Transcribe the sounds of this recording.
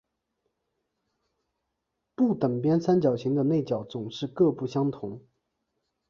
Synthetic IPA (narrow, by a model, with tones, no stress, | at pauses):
pu˥˩t̪ə˨˩ŋpjɛ˥nsa˥nt͡ɕjɑ˨˩ʊt͡ɕʰi˧˥ŋd̪ə˧ne˥˩ɪt͡ɕjɑ˨˩ʊt͡sʊ˨˩ŋʂɻ̩˥˧kɤ˥˧pu˥˩ɕjɑ˥ŋt̪ʰʊ˧˥ŋ